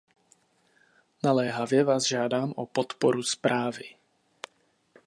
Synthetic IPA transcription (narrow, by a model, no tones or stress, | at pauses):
nalɛɦavjɛvaːzʒaːdaːmʔopɔt̪pɔɾuspɾaːvɪ